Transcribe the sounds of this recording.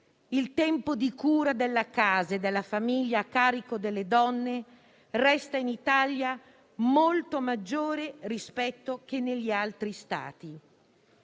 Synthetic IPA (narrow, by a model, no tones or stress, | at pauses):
ilt̪ɛmpod̪ikuːɾad̪elːakaːzed̪elːafamiʎːaːkːaːɾikod̪elːed̪ɔnːe | rɛst̪ainit̪aʎja | molt̪omad͡ʒːoːɾerispɛt̪ːok̟enːeʎːialt̪ɾist̪a̰ːt̪i